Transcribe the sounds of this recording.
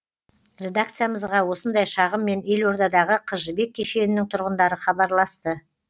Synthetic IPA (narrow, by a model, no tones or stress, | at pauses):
ɾʲe̞d̪ak̚t̪sɨjaməzʁɑwo̞sənd̪ɑjʃɑʁəmːe̞ne̞lwo̞ɾd̪ɑd̪ɑʁəqʰəʒəbe̞k̚ʲʰːeʃe̞nɪnɪŋt̪ʰʊɾʁənd̪ɑɾəχɑbɑɾlˠɑst̪ə